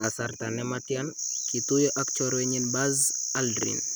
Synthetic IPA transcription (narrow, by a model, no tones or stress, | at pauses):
asart̪anɛmatjankit̪ujɔʔakt͡ʃɔɾwɛɲinbazaldɾḭn